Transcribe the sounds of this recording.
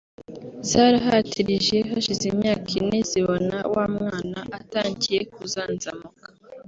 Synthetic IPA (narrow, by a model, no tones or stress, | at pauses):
zaːɾaɦatʰiɾiʒe̞haʃizimɲaːkʰineziβona̰waːmŋŋaːnaʔataːɲɟije̞k̚uzaːnzamukḁ